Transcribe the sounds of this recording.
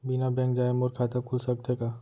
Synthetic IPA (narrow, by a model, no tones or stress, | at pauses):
binabɛ̃ːŋkd͡ʒaːemʊɾkʰaːt̪akʰʊlsɐk̚t̪ekaː